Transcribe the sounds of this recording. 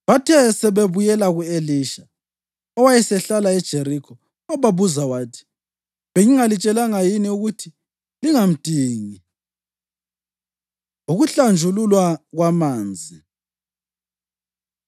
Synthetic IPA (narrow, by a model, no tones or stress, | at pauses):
βatʰɛsɛβeβujɛlaɣueliʃḁ | ɔwajɛsɛɬalaɛd̥ʒ̥ʱeɾikʰɔ | ɔβaβuzawaːtʰi̥ | βeŋiŋalit͡ʃʼɛlaŋajiniuɣutʰi | liŋam̩tʼiːŋi | uɣuɬand͡ʒʱululwaɣwamaːnd͡zʱi